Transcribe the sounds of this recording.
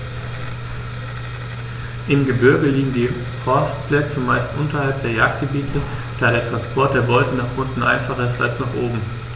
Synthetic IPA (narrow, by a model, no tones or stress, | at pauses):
ʔɪmɡəbʏɐɡəliːɡŋ̩diː | fɔɐstplɛt͡səmaɪstʔʊntɐhalp̚d̥eːɐjaːk̚t̚ɡ̥əbiːtʰəd̥aːɾeːɐtʁ̥anspʰɔɐt̚d̥eːɐbɔltn̩naχʔʊntn̩ʔa̰ɪnfaχɐɪsta̰lsnaχʔoːbm̩